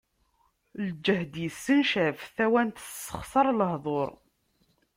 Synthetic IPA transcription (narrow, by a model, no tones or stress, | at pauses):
ld͡ʒːəhd̪jəsːənʃæfθæwænt̪ə̥sˤːə̥χsˤɑɾˤləhðˤoɾˤ